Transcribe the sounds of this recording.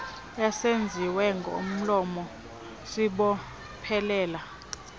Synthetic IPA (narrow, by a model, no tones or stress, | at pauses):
jasend͡zʱiwɛŋɡʱo̰m̩lɔmɔ | siɓɔ | pʰɛlɛːla